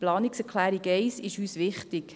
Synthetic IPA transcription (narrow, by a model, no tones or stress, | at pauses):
plɑːniksɛkʰlæːɾiɡɛɪsɪʃyːsʋɪχtɪk